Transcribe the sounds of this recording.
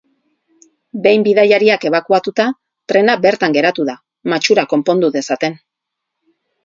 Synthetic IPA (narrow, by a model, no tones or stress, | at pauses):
be̞jmbiðajaɾiake̞β̞akuat̪ut̪a | t̪ɾe̞nabe̞ɾt̪aŋɡe̞ɾat̪uða | mat͡ʃuɾako̞mpo̞nd̪uðe̞sat̪e̞n